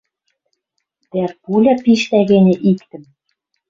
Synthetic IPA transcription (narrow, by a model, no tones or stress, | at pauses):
d̪̥ærpulʲɑpiʃt̪æɣenʲĕʔikt̪ɘ̆m